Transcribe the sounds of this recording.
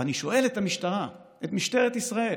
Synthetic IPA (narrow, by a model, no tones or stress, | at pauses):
aniʃo̞e̞letamiʃtaʁa | et̪miʃte̞ʁet̪isʁae̞